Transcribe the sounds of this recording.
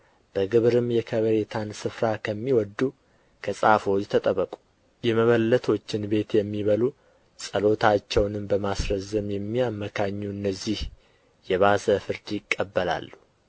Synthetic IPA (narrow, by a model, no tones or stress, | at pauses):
b̥əɡɨβɾɨmjɛkʰəβəɾe̞t̪ʰansɨfɾakʰəmːiwɔd̪ːu | kʰəsʼafo̞t͡ʃːt̪ʰːət̪ʼəβəkʼu̥ | jɛməβəlːət̪ʰo̞t͡ʃːɪnbe̞t̪jɛmːiβəlu | sʼəlo̞t̪ʰat͡ʃːɛwnɨmbəmasɾəzːɨmjɛmːijamːəkʰaɲːuɨnːəzːih | jɛβazəfɨɾd̪jɪkʼːəbːəla̰lːu